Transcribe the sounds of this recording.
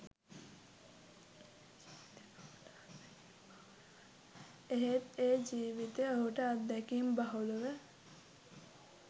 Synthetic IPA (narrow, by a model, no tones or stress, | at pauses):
eɦet̪eːd͡ʒiːʋit̪eoɦuʈəat̪d̪ɛkiːmbaɦuluʋə